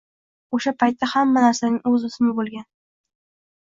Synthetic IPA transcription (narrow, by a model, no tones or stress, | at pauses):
oʃapʰajt̪ːahamːanaɾsanɪŋɵzʊsmɪbolˠɡʲan